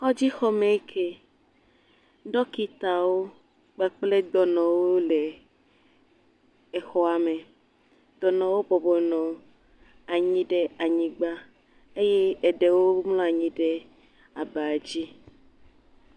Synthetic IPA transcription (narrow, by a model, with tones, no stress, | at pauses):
xɔ˦d͡ʑi˦xɔ˦mẽ˨˦kʰe˦ | ɖɔ˦ki˦t̪a˨wo˦ | k͡pɛ˦k͡ple˦d̪ɔ˨nɔ̃˨wo˦le˨ | e˨xɔ˦a˨me˨ | d̪̥ɔ˨nɔ̃˨wo˦bɔ˨bɔ˨nɔ̃˨ | a˨ɲĩ˦ɖe˦a˨ɲĩ˨ɡ͡ba˦ | e˦je˦e˨ɖe˨wo˦mlɔ̃˦a˨ɲĩ˦ɖe˦ | a˨be˨a˨d͡ʑi˦